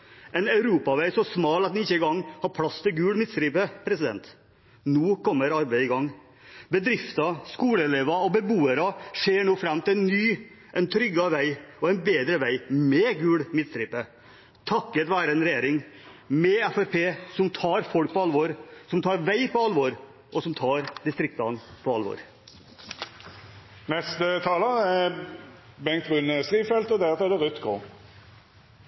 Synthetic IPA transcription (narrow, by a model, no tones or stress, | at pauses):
ʔɛɪnɑʉɾuːpɑʋæɪsɔsmɑːlɑt̪nɪɪçːəɪɡɑŋːhɑɾpʰlɑst̪ʰɪlɡʉːɽmɪt̪st̪ɾiːpəpʰɾɛsɪd̪ɛ̰nt̪ | nuːkɔmːəɾɑɾbæɪd̪ɪɡɑŋː | bəd̪ɾɪft̪ɑskuːləɛleːʋɑɔbəbuːəɾɑʂeːɳoːfɾɑmːt̪ɪlɛnnyː | ʔɛnt̪ʰɾʏɡɑʋæɪɔɛɪnbeːd̪ɾəʋæɪmɛɡʉːɽmɪt̪st̪ɾiːpə | t̪ʰɑkːət̪ʋæːɾəɛnɾɛjeːɾɪŋmɛɛfæɾpʰeːsɔmt̪ʰɑːɾfɔlk̚pɔɑlʋɔɾsɔmt̪ʰɑːɾʋæɪpʰɔɑlʋɔɾ | ʔɔsɔmt̪ʰɑːɾd̪ɪst̪ɾɪk̚t̪ɑnpʰɔɑlʋɔ̰ɾ | nɛst̪ət̪ʰɑːləɛ | bɛŋkt̪ʁʉnəst̪ʁiːʋfɛlt̪ɔd̪æʁt̪ɔɛd̪ɛʁʉt̪ɡʰo